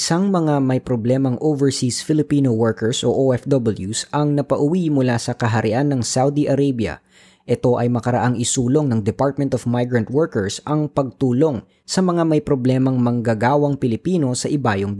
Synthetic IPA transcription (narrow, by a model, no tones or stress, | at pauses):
ʔɪsaŋmɐŋamɐjpɾoblɛmɐŋʔovɛɹsisfɪlɪpiːnowɛɹkɛɹsʔoʔoʔɛfd̪ɔbɐljusʔɐŋnɐpɐʔʊwimʊlasɐkɐɦɐɾɪʔanːɐŋsawd̪iʔɐɾejbjɐ̰ | ʔɛt̪o̞ʔɐjmɐkɐɾɐ̰ʔaŋɪsuːlo̞ŋnɐŋd̪ɛpaɹt̪̚mɛnt̪ovmajɡɹɐnt̪̚wɛɹkɛɹsʔɐŋpɐɡ̚t̪uːlo̞ŋ | sɐmɐŋamɐjpɾoblɛmɐŋmɐŋɡɐɡaːwɐŋpɪlɪpiːno̞sɐʔɪbaːjoŋ